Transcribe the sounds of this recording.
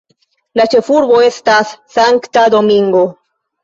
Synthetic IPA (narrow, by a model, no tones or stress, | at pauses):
lat͡ʃefuɾβoest̪assaŋkt̪ad̪omĩŋɡo